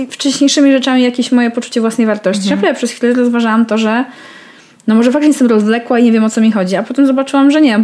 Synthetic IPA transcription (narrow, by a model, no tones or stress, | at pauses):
ft͡ʂɛɕɲejʂɘmʲiʐɛt͡ʂamʲijakʲeɕmɔjɛpɔt͡ʂu̥t͡ɕɛvwasnɛjvaɾt̪ɔɕt͡ɕinapɾavɛpʂɛsxfʲilɛɾɔzvaʐawamt̪ɔʐɛ | nɔmɔʐɛfak̪̚ɲɛst̪ɛmɾɔzlɛkwaiɲevʲjɛmɔt̪sɔmʲixɔd͡ʑiapɔt̪ɛmzɔbat͡ʂɘwamʐɛɲɛ